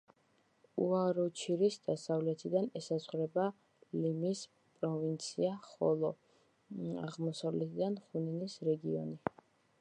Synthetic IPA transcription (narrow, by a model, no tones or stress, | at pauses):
uaɾɔt͡ʃʰiɾisd̪asavlɛt̪ʰid̪anɛsazχɾɛba | limis | pʼɾɔvint̪sʰiaχɔ̰lˠɔ | a̰ʁmɔsavlɛt̪ʰid̪anχuninisɾɛɡiɔ̰ni